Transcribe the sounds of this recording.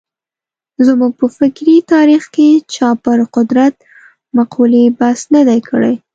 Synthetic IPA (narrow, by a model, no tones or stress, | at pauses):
zmuɡ̚pəfɪkɾit̪ɑɾixket͡ʃɑpəɾqʊd̪ɾat̪̚ | maqʰulibasnad̪ajkʰəɽa̰j